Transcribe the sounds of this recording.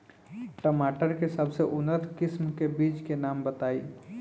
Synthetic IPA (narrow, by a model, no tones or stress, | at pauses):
ʈəmaʈəɾkesəbʱseʔʊnːət̪kɪsmkebiːt͡ʃkenaːmbət̪aːi